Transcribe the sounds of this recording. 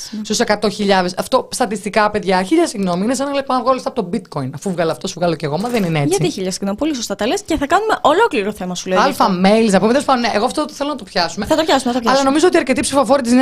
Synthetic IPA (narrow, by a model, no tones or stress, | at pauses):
st̪ose̞kɐt̪o̞çiʎɐðesɐft̪o̞st̪ɐt̪ist̪ikɐpe̞ðʝɐçiʎɐsiɣno̞miinesenɐleponɐvɣɐolist̪ɐpot̪obit̪ko̞inɐfuvɣɐlɐft̪osuvɣɐloceɣo̞mɐðenineet͡sʝɐtiiçiʎɐsiɣnomipo̞lis̬ost̪ɐt̪ɐlesceθɐkɐnume̞ʔo̞lo̞kliɾo̞θe̞mɐsuleɐlfɐmeilsnɐpumet̪elspɐnuneʔeɣoɐft̪oθelonɐt̪o̞pçɐsumeθɐt̪opçɐsumenɐt̪oçɐlɐno̞mizoot̪iɐɾcet̪ipsifo̞fo̞ɾit̪̬isin